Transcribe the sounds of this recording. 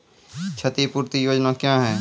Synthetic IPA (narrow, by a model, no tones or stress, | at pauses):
t͡ʃʰɐt̪ipuːɾt̪ijoːd͡ʒnakjãːɦɛː